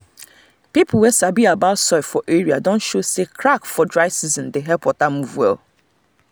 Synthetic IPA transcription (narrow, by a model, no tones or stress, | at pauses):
pipʊl̩wɛsabiabatsɔɪfɔʔeɹiadõnʃosekʰɾakfɔdɹaɪsizɔ̃ndeɦɛpɔtamuvɛl